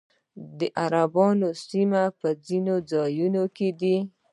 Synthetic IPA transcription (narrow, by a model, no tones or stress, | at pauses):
d̪əʔaɾabɑnosimapəzinod͡zɑjunoked̪i